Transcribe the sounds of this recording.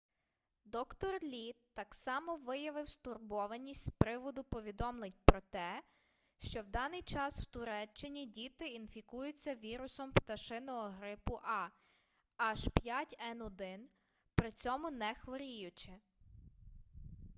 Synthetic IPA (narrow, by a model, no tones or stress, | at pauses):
d̪ɔkt̪ɔrlʲit̪ːɑksɑmɔʋɪjɐʋɪwst̪ʊrbɔʋɐnʲːisʲtʲspɾɪʋɔd̪ʊpɔʋʲid̪ɔmlˠɪnʲpɾɔt̪ɛ | ʃt͡ʃɔwd̪ɑnɪjt͡ʃɑsw̥t̪ʊɾɛt͡ʃːɪnʲidʲit̪ɪinfʲikujʊt͡sʲːɐʋʲiɾʊsɔmpt̪ɐʃɪnɔɦɔɦɾɪpʊʔɑ | ɐʒpʲjatʲɛnɔd̪ɪn | pɾɪt͡sʲɔmʊnɛxʋɔɾʲijʊt͡ʃɪ